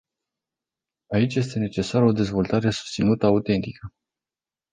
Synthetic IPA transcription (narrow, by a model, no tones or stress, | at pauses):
ait͡ʃʲje̞s̬t̪e̞ne̞t͡ʃe̞saɾəo̞d̪e̞zvo̞lt̪aɾe̞su̥st̪sinut̪əaut̪e̞nt̪ikə